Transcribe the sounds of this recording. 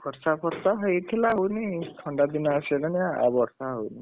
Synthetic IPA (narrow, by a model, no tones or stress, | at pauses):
pʰɔɾsapʰɔɾsaɦojt̪ʰilaɦownit̪ʰɔɳɖad̪inaːsilania̰bɔɾsaɦowni